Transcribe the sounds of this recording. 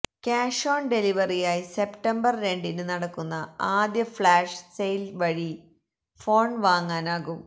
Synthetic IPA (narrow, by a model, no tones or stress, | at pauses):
kaːʂoːɳɖe̞liʋɐrijaːjise̞pʈɐmbɐrɾe̞ɳɖinɨnɐɽɐkːunːɐaːd̪jɐfɭaːʂsejlʋɐɻi | fo̞ːɳʋaːŋːaːnaːɣum